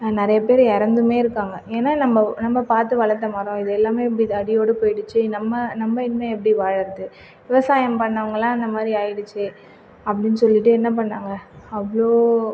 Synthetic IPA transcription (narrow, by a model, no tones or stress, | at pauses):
nɪɾɐjɐp̬eːɾɛɾɐnd̪ɯmeːɪɾɯkːaːŋɡɐeːnaːnɐmbɐnɐmːɐpaːɾt̪ɯʋɐɭɐɾt̪ːɐmɐːɾõɪðɯɛlːaːmeːɛp̬ːɐɽiðɐɽɪjoːɽɯpoːjɪɽɯt͡ʃːɯnɐmːɐnɐmːɐɪnmeɛp̬ːɐɽiʋaːɻɐɾɐðɯ | ʋɪʋɐsaːjɐmpɐɳːɐʋɐŋɡɐlãːɪnd̪ɐmaːd̪ɾiaːjɪɽɯt͡ʃːɯ | ɐpːɐɽɪnːɯsɔlːɪʈːɯɛnːɐp̬ɐɳːaːŋɡɐɐʋɐɭoː